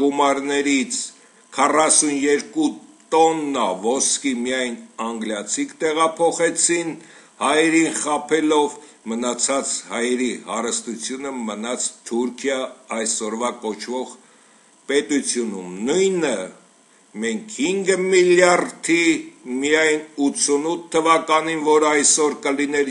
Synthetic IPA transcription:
ɡumɑɾnɛɾit͡sʰ | kʰɑrɑsunjɛɾkut̪ɔnːɑvɔskimijɑjnɑŋɡljɑt͡sʰikt̪ɛʁɑpʰɔχɛt͡sʰin | hɑjɛɾinχɑpʰɛlɔv | mənɑt͡sʰɑt͡shɑjɛɾihɑɾəst̪ut͡sʰjunəmənɑt͡sʰt̪ʰuɾkʰjɑːjsɔɾvɑkɔt͡ʃʰvɔʁ | pɛt̪ut͡sʰjunumnujnə | mɛŋkʰhiŋɡəmiljɑɾt̪ʰimijɑjnut͡sʰunut̪ʰːəvɑkɑninvɔɾəɑjsɔɾkəlinɛɾ

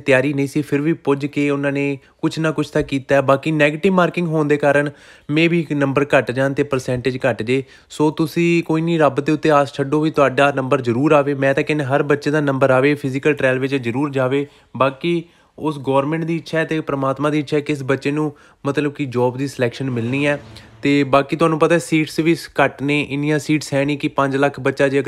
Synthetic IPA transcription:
t̪jaːɾiːnəĩːsiːpʰɪɾʋiːpʊd͡ʒkeːʊnãːneːkʊt͡ʃʰnãːkʊt͡ʃʰt̪akːiːt̪aːɛːbaːkiːnɛːɡeːʈɪʋmaːɾkɪ̃ŋɡɦoːnd̪eːkaːɾəɳmɛ̃ːbiːnə̃mbəɾkəʈd͡ʒãːnt̪eːpəɾsɛ̃ːɳʈɪːd͡ʒkəʈd͡ʒeː | soːt̪ʊsĩːkoːiːniːɾəbd̪eːʊt̪ːeːaːst͡ʃʰəɖoːʋiːt̪ʊaːɖaːnə̃mbəɾzəɾuːɾaːʋeːmɛ̃ːt̪ãːkɪneɦəɾbətːʃẽːd̪aːnə̃mbəɾaːʋeːpʰɪzɪkəlʈɾɛːlʋɪt͡ʃzəɾuːɾd͡ʒaːʋeː | baːkiː | ʊsɡɔːɾmɛ̃ːɳʈd̪iːɪtːʃʰɛːt̪eːpɾəmaːt̪mãːd̪iːɪtːʃʰɛːkɪs̬bətːʃeːnũː | mət̪ləb̚kɪd͡ʒɔːbd̪iːsəlɛːkʃənmɪlniːɛːt̪eːbaːkiːt̪ʊɦaːnũːpət̪aːɛːsiːʈsʋiːskəʈneːʔɪnjãːsiːʈsɦɛːñiːkɪpə̃ɲd͡ʒləkʰbətːʃaːd͡ʒe

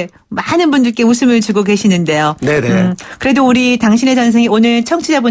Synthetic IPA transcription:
manɯnbundɯɭk͈e̞musʰɯmɯɭt͡ɕuɡoɡe̞ɕʰinɯnde̞jonenekɯɾe̞douɾitaŋɕʰine̞d͡ʑʌns̬ʰeŋionɯɭt͡ɕʰʌŋt͡ɕʰid͡ʑabu

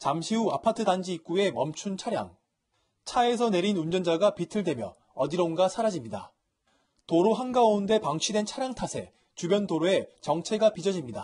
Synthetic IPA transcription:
t͡ɕamɕʰiuapʰatʰɯdand͡ʑiik͈ue̞mʌmt͡ɕʰunt͡ɕʰaɾja̰ŋ | t͡ɕʰae̞s̬ʰʌne̞ɾinund͡ʑʌnd͡ʑaɡapitʰɯɭdwe̞mjʌ | ʌdiɾʌunɡasʰaɾad͡ʑimɲida̰ | toɾoɦanɡaounde̞paŋt͡ɕʰidwe̞nt͡ɕʰaɾjaŋtʰasʰe̞̰ | t͡ɕubjʌndoɾoe̞t͡ɕʌŋt͡ɕʰe̞ɡapid͡ʑʌd͡ʑimɲida

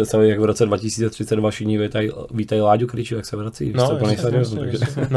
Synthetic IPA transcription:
ɛst̪avɛjaɡvɾot͡sɛdvacɪsiːt͡sɛt̪r̥ɪt͡sɛd̪vaʃɪdɲivɛt̪ajiviːt̪ailaːɟukɾɪt͡ʃujaksɛvɾat͡sḭːopl̩ɲɛjsaɾɪoznut̪a̰ɡʒɛ

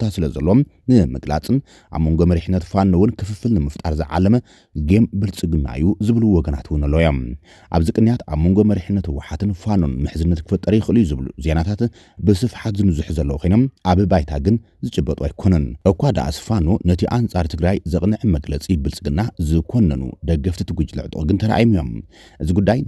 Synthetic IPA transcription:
t̪ʰasɨlɐzɐ̰lːom | nɨmɨɡla̰t͡sʼɨn | ʔa̰βmo̞ŋɡo̞mɐɾiħɨnːɐt̪fanːowʊnkʰɨfɨfɨlnɨmɨft̪ʼaɾzɨʕa̰lːɐmɐ | ɡembɨlt͡sʼɨɡɨnːa̰ɨjːuzɨβluwɔɡɐna̰t̪ʰwʊnɨlːojo̞m | ʔa̰βzɨkʼɨnːjat̪aβmo̞ŋɡo̞mɐɾiħɨnːɐt̪wːaħat̪ɨnfano̰nmɨħzɨnːɐt̪kʰɨ̥fɐt̪ʼːɐɾɐjɪxɨʔɨlijuzɨβlṵze̞nat̪ʰat̪ | bɨsɨfħat̪zɨmɨzuħzɐlːɐwkʰojnomʔaβɨbajt̪ʰaɡɨn | zɨt͡ʃʼɨbːɐt̪ʼua̰jkʰo̞nɐnʔɨkʷad̪a̰ʔa̰sɨ̥fanonɐt̪ʰiʔant͡sʼaɾt̪ʰɨɡɾajzɐkʼnɨʕɨmɐɡlɐt͡sʼibɨlt͡sʼɨɡɨnːazɨkʰo̞nːɐnṵd̪ɐɡɐft̪ʰit̪ʰɨɡʷud͡ʒlɨ̰ʕt̪ʼɨ̰ʔʼɡɨnt̪ʰɐɾa̰ʔjimijo̞̰m | ʔɨziɡud̪ːaj

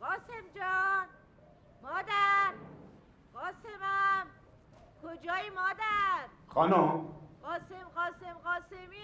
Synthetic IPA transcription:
ɢɒːsemd͡ʒɒn | mɒːd̪æɾ | ɢ̥ɒːsemæm | kʰod͡ʒɒːjimɒːd̪æɾxɒnomɢ̥ɒːsemɢɒːsemɢɒːsemiː

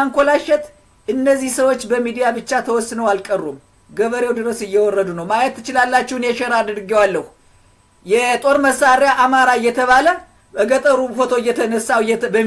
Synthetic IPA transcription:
aŋkʷolaʃɛt̪ | ʔɨnːəzːihsəwo̞t͡ʃːbəmid̪ijabɨt͡ʃːat̪ʰəwɔsːɨnəwalkʼərːum | ɡəβəɾewd̪ɨɾəsɨjːɛwɔrːəd̪unəwmajɛt̪ːɨt͡ʃɪlalːat͡ʃːɪhnjɛʃɛɾad̪ɨɾɡɛwalːəhu | jɛt̪ʼo̞ɾməsːaɾejaʔamaɾaɨjːɛt̪ʰəβalə | bəɡət̪ʼəɾufo̞t̪ʰo̞ɨjːɛt̪ʰənəsːawbə

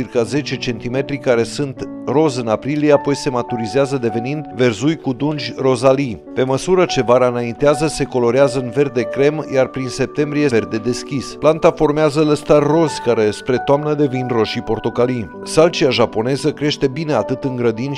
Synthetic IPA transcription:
irkaze̞t͡ʃe̞t͡ʃe̞nt̪ime̞t̪ɾikaɾe̞sunt̪ | ro̞zɨnapɾilijeapo̞jse̞mat̪uɾizeazəd̪e̞ve̞nind̪ve̞rzujkud̪und͡ʒʲro̞zali | pe̞məsuɾət͡ʃe̞vaɾanaint̪eazəse̞ko̞lo̞ɾeazəɨnve̞rd̪e̞kɾe̞mjarpɾinse̞p̚t̪e̞mbɾijeverd̪e̞d̪e̞skʲisplant̪afo̞rmeazələst̪arːo̞zkaɾe̞spɾe̞t̪oamnəd̪e̞vinro̞ʃipo̞rt̪o̞kali | salt͡ʃiaʒapo̞ne̞zəkɾe̞ʃt̪e̞bine̞at̪ɨt̪ɨŋɡɾəd̪inʲ

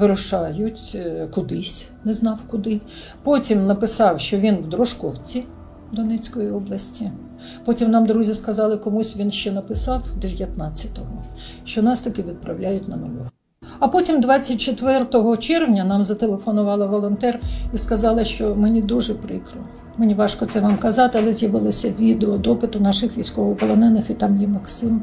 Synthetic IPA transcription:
ʋɪɾʊʃɑjʊtʲkʊd̪ɪsʲ | nɛznɑwkʊd̪ɪ | pɔtʲimnɐpɪsɑwʃt͡ʃɔʋʲinʋd̪ɾɔʃkɔwt͡sʲi | d̪ɔnɛt͡sʲkɔjiɔblˠɐsʲtʲi | pɔtʲimnɑmd̪ɾuzʲiskɐzɑlˠɪkɔmusʲʋʲinʃt͡ʃɛnɐpɪsɑwd̪eʋʲjɐt̪nɑt͡sʲːɐt̪ɔɦɔ | ʃt͡ʃɔnɑst̪ɐkɪʋʲid̪̚pɾɐwlʲajʊtʲnɐnɔʋu | ɐpɔtʲimd̪ʋɑt͡sʲːɐt̚ʲt͡ʃet̪ʋɛrt̪ɔɦɔt͡ʃɛrʋnʲɐnɑmzɐt̪elˠefɔnʊʋɑlˠɐʋɔlˠɔnt̪ɛriskɐzɑlˠɐʃt͡ʃɔmenʲid̪uʒɛpɾɪkɾʊ | menʲiʋɑʃkɔt̪sɛʋɑmkɐzɑt̪ɪɐlˠɛzʲjɐʋɪlˠɔsʲɐʋʲid̪eɔd̪ɔpɪt̪ʊnɑʃɪxʋʲijsʲkɔʋɔpɔlˠɔnɛnɪxit̪ɑmjɛmɐksɪm

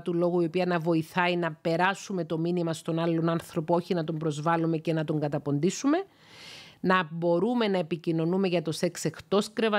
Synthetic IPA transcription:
t̪ulo̞ɣuio̞piɐnɐvo̞iθɐinɐpe̞ɾɐsume̞t̪o̞minimɐst̪o̞nɐlːo̞nɐnθɾo̞poo̞çinɐt̪o̞mbɾo̞zvɐlume̞ce̞nɐt̪o̞ŋɡɐt̪ɐpo̞nd̪isume̞ | nɐbo̞ɾume̞nɐepicino̞numeʝɐt̪ose̞kse̞xt̪o̞skɾe̞vɐ

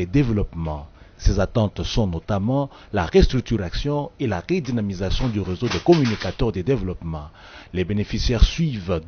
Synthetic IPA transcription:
ed̪evlɔpmɑ̃sezat̪ɑ̃t̪sɔ̃nɔt̪amɑ̃ | laʁest̪χyk̚t̪yʁasjɔ̃elaʁed̪inamizasjɔ̃d̪yʁezod̪əkɔmynikat̪œʁd̪ed̪evlɔpmɑ̃ | lebenefisjɛʁsɥiv

